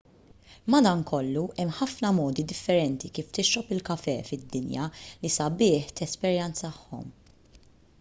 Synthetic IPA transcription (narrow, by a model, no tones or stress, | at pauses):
mɐd̪ɐnkʰɔlːuʔɛmħɐfnɐmɔːd̪id̪ɪfːɛɾɛnt̪ikiːft̪ɪʃːɔpɪlkɐfɛːfɪd̪ːɪnjɐ̰lisɐbɪːħt̪ɛspɛɾjɛnt͡sɐɐħːɔ̰m